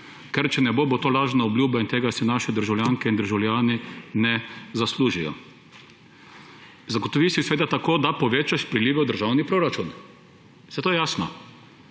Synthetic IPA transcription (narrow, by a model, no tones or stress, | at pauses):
kɛɾt͡ʃɛnɛboːbot̪oːlaːʒnaɔbljuːbaint̪eːɡasɛnaːʃɛd̪əɾʒawlʲjaːŋkɛind̪əɾʒawlʲjaːninɛzasluːʒijɔ̰ | zaɡot̪ɔʋiːsisʋeːd̪at̪akoːd̪apɔʋeːt͡ʃaʃpɾilʲiːʋɛwd̪əɾʒaːwnipɾoːɾat͡ʃun | sɛt̪oːjɛjaːsnɔ̰